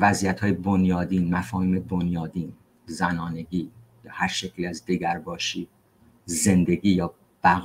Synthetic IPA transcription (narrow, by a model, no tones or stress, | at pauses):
væzijæt̪hɒːjebonjɒːd̪iːnmæfɒːhiːmebonjɒːd̪iːn | zænɒːne̞ɡiːjɒːhæɾʃecʰliæzd̪eɡæɾbɒːʃiː | ze̞nd̪e̞ɡiːjɒː | b̥æɣ